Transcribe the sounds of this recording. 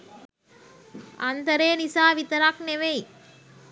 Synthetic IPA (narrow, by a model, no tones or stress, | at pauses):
ɐnt̪ɐɾeːnisaːʋit̪ɐɾaːkneʋej